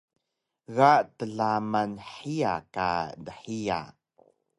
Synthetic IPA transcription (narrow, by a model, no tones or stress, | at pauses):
ɣaʔtəɮamanħia̰ka̰dəħia̰